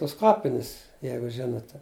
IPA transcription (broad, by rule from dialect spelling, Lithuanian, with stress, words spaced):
tʊs ˈkɑːpʲɪnʲɪs ˈjɛɪɡʊ ˈʒʲɪnoːtʲɛ